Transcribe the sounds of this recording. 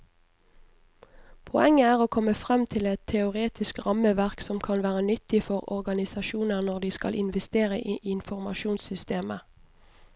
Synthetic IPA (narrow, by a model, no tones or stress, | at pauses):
pʰɔɛŋəæːʁoːkʰɔməfʁɛmt̪ʰɪlɛt̪ʰːɛʊʁeːt̪ʰɪskʁɑməʋæʁksɔmkʰɑnʋæːʁənʏt̪ɪfɔʁɔ̰ʁɡɑnɪsɑʃuːnəʁnɔʁd̪iːskɑ̰lʔɪnʋɛst̪eːʁəʔiːʔɪnfɔʁmɑ̰ʃuːnsʏst̪eːmə